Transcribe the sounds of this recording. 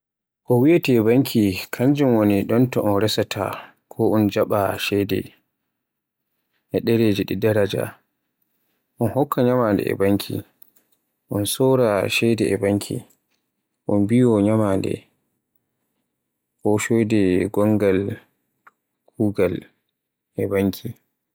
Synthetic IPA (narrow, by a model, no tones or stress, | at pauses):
ʔɔwiatiɛbaŋkʰikʰaɲd͡ʒumwoniɗɔntɔʔɔnɾɛsatʰa̰ | kʰɔʔɔnd͡ʒaɓaʃɛjdɛ̰ | ʔɛɗɛɾed͡ʒɛɗidaɾad͡ʒa̰ | ʔɔnhɔkːaɲamandɛ̰ɛ̰baŋkʰḭ | ʔɔnsɔɾaʃɛdɛɛbaŋkʰḭ | ʔɔnbijɔɲamandɛ̰ | kɔʃojdɛɡɔŋɡal | kuːɡal | ʔɛbaŋkʰi